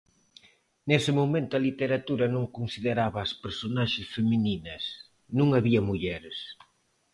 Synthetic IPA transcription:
nesɪmomẽnt̪ʊɐlit̪eɾat̪uɾɐnõŋkonsiðeɾaβɐːspeɾsonaʃɪsfemininɐs | nũŋaβiɐmuʎɛɾɪs

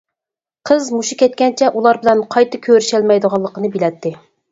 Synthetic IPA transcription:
qʰəzmuʃukʲɛt̪̚kʲɛnt͡ʃʰɛʔulˠɑɾbɪlɛnqʰɑjt̪ʰɨkʲʰøɾyʃɛlmɛjd̪əʁɑlˠːəqənɨbilɛt̪ʰːɪ

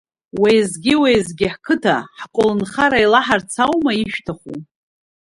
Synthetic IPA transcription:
wejzɡʲɪwejzɡʲɪħkʰɨtʰaħkʷʼʊlɨnχaɾailaħart͡sʰawmaiʃᶣtʰaχu

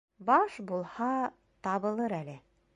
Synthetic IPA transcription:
bɑʃbulˠhɑ | t̪ɑβbɤ̆lˠɤɾælɘ

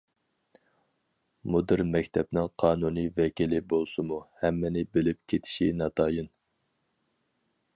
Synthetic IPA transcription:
mud̪ɨɾmɛkʲt̪ʰɛp̚nɪŋqʰɑːnunɨjvɛkʲilɪbolˠsɨmuhɛmːɪnɪbɪlɪp̚kʲʰet̪ʰi̥ʃinɑt̪ʰɑːjɨn

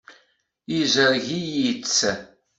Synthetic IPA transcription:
izəɾʝijit͡sː

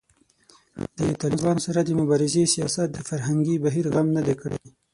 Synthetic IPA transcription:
d̪̥ət̪ɑlɪbɑnsaɾad̪əmʊbɑɾɪzesijɑsat̪̚d̪əfaɾɦaŋɡibaɦiɾɣamnad̪ekəɽḛ

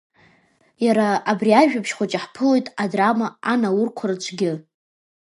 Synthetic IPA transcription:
jaɾaːbriaʒᶣapʰʃχʷat͡ʃʼaħpʰɨlo̞jtʼadramaanawʊrkʷʰart͡ʃʷʰɡʲɪ

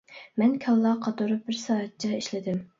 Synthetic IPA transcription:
mɛnkʲʰɑlˠːɑqʰɑt̪uɾʊp̚bɪɾsɑːɦɛt̪̚t͡ʃʰɛiʃlɪd̪ɪm

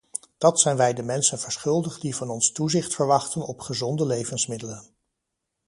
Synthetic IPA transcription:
d̥ɑtsɛjnʋɛjdəmɛnsənv̥əɹsχʏlˠdəχdivɑnɔnstuzɪχtfəɹʋɑχtənɔpχəzɔndəlejvənsmɪdələn

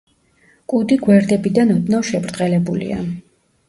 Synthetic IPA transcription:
kʼud̪iɡwɛɾd̪ɛbid̪anɔd̪naʃɛbɾd̪ʁɛlɛbulḭa̰

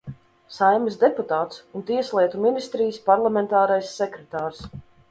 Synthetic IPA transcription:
sajmisd̪eput̪aːt̪sunt̪iɛslˠiɛt̪uminist̪ɾijspaɾlˠamɛnt̪aːɾajsːɛkɾɛt̪aːɾs

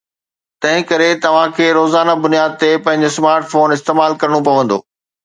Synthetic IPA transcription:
t̪ɐ̃ɦɪ̃kɐɾet̪ɐʋ̤ãkʰeːɾoːzaːnabʊnijaːd̪̚t̪epɐ̃ɦɪ̃ɲ̆d͡ʑosmaːɾʈfoːnɪst̪eːmaːlkɐɾɽ̃opɐʋə̃nd̪o̰ː

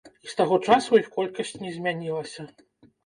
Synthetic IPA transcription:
ist̪aɣɔt͡ʂasujixkɔlʲkɐsʲt͡sʲnʲɛzʲmʲanʲilˠɐsʲɐ

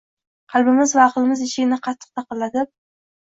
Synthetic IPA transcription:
qʰɑlˠbɪmɪzvaɒχlˠɪmɪzɪʃɪɡʲɪnɪqʰɑt̪ʰːɨ̥q̚t̪ʰɑqɨlˠːad̪ɪp̚

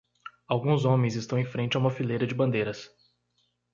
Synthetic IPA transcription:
awɡũzõmẽj̃zɪst̪ɐ̃w̃ẽj̃fɾẽnt͡ʃɪaũmɐfilejɾɐd͡ʒɪbɐ̃nd̪ejɾɐs

